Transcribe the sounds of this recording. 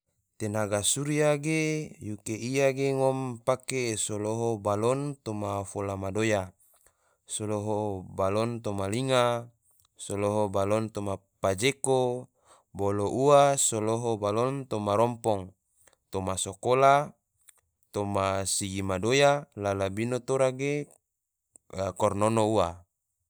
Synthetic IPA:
t̪enaɡasuɾiaɡejukeʔijaɡeŋɔmpakesoloɦobalɔnt̪omafolamadoja | soloɦobalɔnt̪omaliŋa | soloɦobalɔnt̪omapad͡ʒeko | boloʔuasoloɦobalɔnt̪omaɾɔmpɔŋ | t̪omasokola | t̪omasiɡimadojalalabinot̪oɾaɡe | kɔrnonoua

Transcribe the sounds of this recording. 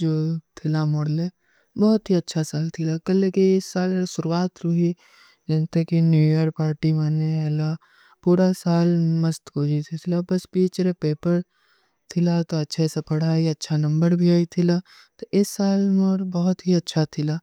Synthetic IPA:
d͡ʒoːt̪ʰɪlamɔɽle | bɔːʊt̪ɦiɐtːʃʰasaːlt̪ʰɪlakɐlekiɪsːaːlsʊɾuwaːt̪ɾʊɦi | d͡ʒɐ̃ːnt̪ekinjuːjəɾpaːɾʈimaːnela | puɾasaːlmɐst̪koːd͡ʒit̪ʰit̪ʰɪlabɐspiːt͡ʃɾepeːpəɾ | t̪ʰɪlat̪oɐtːʃʰesepɐɽ̤aːiɐtːʃʰanɐ̃mbəɾbʱiaːit̪ʰɪla | t̪oɪsːaːlmɔɾbɔɦʊt̪ɦiɐtːʃʰat̪ʰɪlaː

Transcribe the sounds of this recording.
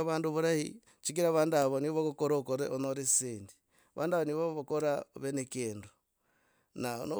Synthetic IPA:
βaːnduβuɾahḭ | t͡ʃik̬iɾaβaːndaβoniβokokoɾokoɾeonoɾeseːndi̥ | βa̰ːnduaβoniβoβokoɾaβenekeːndu | na̰no

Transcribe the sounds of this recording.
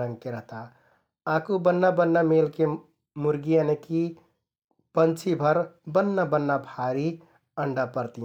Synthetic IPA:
ɾə̃ŋɡ̚keɾəɦt̪a | akubənːabənːameːlke | muɾɡijaneki | pənt͡ʃʰibʱəɾbənːabənːabʱaɾi | əɳɖapəɾt̪i

